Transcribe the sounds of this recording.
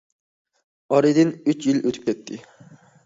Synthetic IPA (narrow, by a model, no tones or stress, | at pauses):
ɑɾɨd̪ɪnyt͡ʃjiløt̪ʰy̥p̚kʲʰɛt̪ʰːɪ